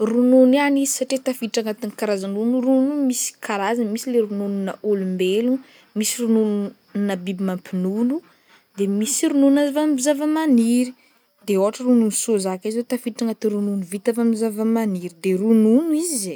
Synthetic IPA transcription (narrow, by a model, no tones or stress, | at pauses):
rununianizisaʈ͡ʂit̪afiʈ͡ʂaŋat̪inkaɾazanunuɾunumisi̥kʰaɾazamisileɾunununaʔolumbelu | misiɾununu | nabibimampinunu | d̪emisiɾununazavamzavamaniɾi | d̪eoaʈ͡ʂəɾununusozakizet̪afiʈ͡ʂaŋat̪iɾununuvit̪avamizavamaniɾid̪erununuizize